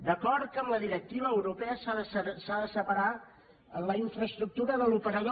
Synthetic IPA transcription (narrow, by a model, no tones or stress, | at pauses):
d̪əkɔɾt̪̚kəmləðiɾək̚t̪iβəːwɾupɛəsaðəssaðəsəpəɾa | ələiɱfɾəst̪ɾuk̚t̪uɾəðəlupəɾəl